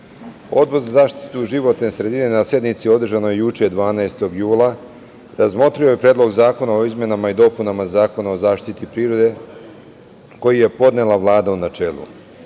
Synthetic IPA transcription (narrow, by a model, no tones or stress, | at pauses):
o̞d̪̚bo̞ɾzazaːʃt̪i̥t̪uʒiʋo̞t̪nesɾe̞d̪inenasje̞d̪nit̪sio̞d̪r̩ʒano̞jejut͡ʃe̞d̪ʋaːnaest̪o̞ɡjuːlˠa | ɾazmo̞t̪ɾijojepɾeːd̪lo̞ɡzaːko̞nao̞izme̞namaid̪o̞punamazaːko̞nao̞zaːʃt̪it̪ipɾiːɾo̞d̪e̞ | ko̞jije̞po̞d̪ne̞laʋlˠaːd̪aunat͡ʃe̞ːlṵ